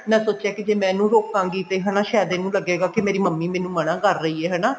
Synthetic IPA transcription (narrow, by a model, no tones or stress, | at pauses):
mɛ̃ːsoːt͡ʃjaːkɪd͡ʒeːmɛ̃ːnũːɾoːkãːŋɡiːt̪eɦɛːnaːʃɛːd̪ẽːnũːləɡːeːɡaːkɪmeːɾiːməmːiːmɛ̃ːnũːmənãːkəɾːəiːɛːɦɛːnaː